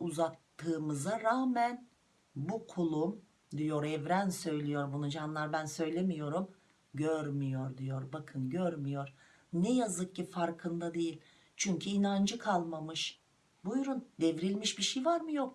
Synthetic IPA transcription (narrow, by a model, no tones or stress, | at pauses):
uzat̪ʰːɯːmɯzaɾaːmæn | bukʰulˠum | d̪ijoɾɛvɾænsø̞jlʲijo̞ɾbunud͡ʒanlˠaɾbænsø̞jlʲe̞mijo̞ɾum | ɟøɾmijo̞ɾd̪ijoɾbakʰɯnɟøɾmijo̞ɾ̥ | nɛjazɯk̚cifaɾkʰɯnd̪ad̪e̞jilʲ | t͡ʃʰyɲcʰyinand͡ʒɯkʰalˠmamɯʃ | bujɾund̪ɛvɾilʲmiʃbiʃejvaɾmɯjo̞k̚